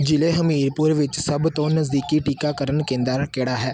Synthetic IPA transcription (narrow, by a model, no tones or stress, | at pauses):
d͡ʒɪleːɦəmiːɾpʊɾʋɪt͡ʃsəbt̪õːnəzd̪iːkiːʈiːkaːkəɾənkẽːnd̪aːkeːɽaːɦɛː